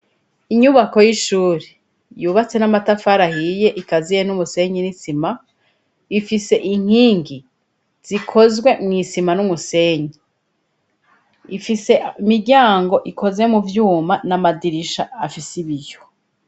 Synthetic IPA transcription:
iɲuβako̞jiʃuːɾe | juːβat͡se̞namatafaɾahije̞ʔikazijenumuse̞ɲinisima | ifise̞ʔiŋ̥hiːŋɡi | z̥ikʰo̞zɡwe̞mŋiːsimanumuse̞ːɲi | ifise̞imiɾɟaːŋɡo̞ʔiko̞ze̞muvjuːmanamadiɾiʃaːfisiβijo̥

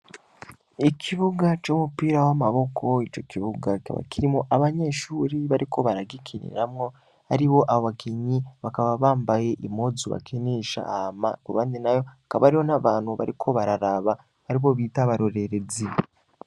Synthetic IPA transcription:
ikʰiβuɡat͡ʃomupiːɾawamaβo̞kʰo̞it͡ʃo̞kiβuɡako̰βa̰kiɾimoʔaβaɲe̞ːʃuːɾiβaɾiko̞βaɾaɡikʰinḭɾamŋo̞ | haɾiβo̞ʔaβoβakiɲiβakaβaβaːmbajeʔimozuβa̰kʰiniːʃa̰ma̰kuβaninajo̞hakaβaaɾiho̞naβaːn̥huβa̰ɾikʰo̞βaɾaɾaβa | haɾiβo̞βiːtaβaɾoɾe̞ɾezi

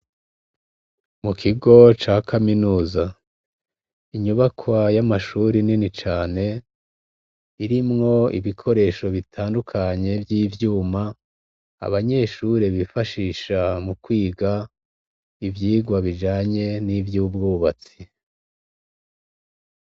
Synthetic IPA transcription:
mukʰiɡo̞t͡ʃaːkaminuːza | iɲuβakʰwajamaʃuɾininit͡ʃaːne̞ | iɾimŋo̞ḭβikʰo̞ɾe̞ːʃo̞βitʰaːndukʰaɲe̞vjiːvjuːma̰ː | βaɲe̞ʃuɾe̞βifaʃiːʃamukwiːɡa | ivjiːɡwaβid͡ʒaːɲe̞nivjuːbɡuːβat͡si

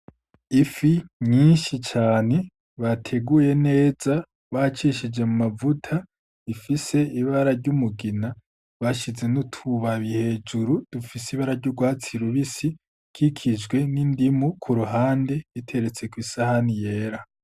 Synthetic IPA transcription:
ifiɲiːnʃit͡ʃaːne̞ | βatʰe̞ɡuje̞ne̞ːz̥a | βat͡ʃiʃid͡ʒe̞mumavutʰa | ifise̞iβaɾaɾɟumuɡina | βaʃize̞nutʰuβaβihe̞ːd͡ʒuɾud̥ufisiβaɾaɾɟuɾɡwaːt͡siɾuβisi | kʰikʰid͡ʒɡwe̞nindimukʰuɾuɦaːnde̞itʰe̞ɾe̞t͡se̞kwisahanije̞ːɾa

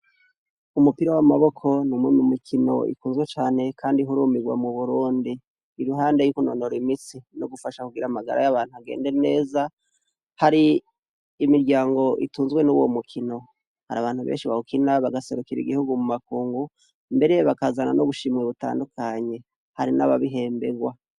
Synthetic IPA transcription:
umupiɾowamaβo̞kʰo̞nimwemumikʰino̞̰ʔḭkuːnzɡwe̞t͡ʃaːne̞kʰaːndiɦuɾumiɡwa̰muβuɾuːndiː | ɾuɦaːnde̞jukunonoɾimisinoɡufaʃakuɡiɾamaɡa̰ɾa̰jaβaːn̥huaɡeːnde̞ene̞ːza | haɾiː | miɾɟaːŋɡo̞ʔḭtuːnzwe̞nuwo̰mukʰino̞ | haɾaβaːn̥huβḛːnʃiβahukinaβaɡase̞ɾukiɾḭɡihuɡumumakuːŋɡu | mbe̞ɾe̞βakazana̰noβuʃimweβuta̰ːndukʰaɲe̞ | haɾinaβaβiɦe̞ːmbe̞ɡwa

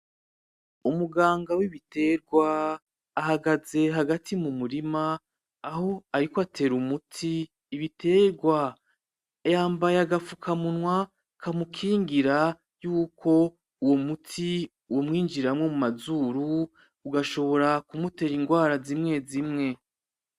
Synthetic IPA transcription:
umuɡaːŋɡawiβitʰe̞ɾɡwaː | ɦaɡaze̞ɦaɡatimumuɾimaː | ho̞aɾikoatʰe̞ːɾumutʰiː | βitʰe̞ːɾɡwa | jaːmbajaɡafukʰamunŋwa | kʰamukʰiːŋɡiɾa | juːkʰo̞ | uwo̞mutʰi | womŋiːɲd͡ʒiɾɾamŋe̞mumazuːɾu | uɡaʃo̞βo̞ɾakumute̞ːɾiŋɡwaːɾazimŋe̞zimŋe̞

